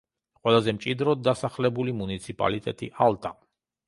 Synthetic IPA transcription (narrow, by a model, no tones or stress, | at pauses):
qʼwɛlˠazɛmt͡ʃʼid̪ɾɔd̪̚ːasaχlɛbulimunit̪sʰipʼa̰lit̪ʼɛ̰t̪ʼḭʔalˠt̪ʼa